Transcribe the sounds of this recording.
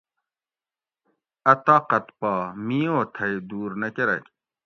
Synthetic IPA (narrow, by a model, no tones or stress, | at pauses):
ɐt̪aːqɐt̪paːmijoːt̪ʰɐjd̪uːɾnɐkeɾɐ̰kʲ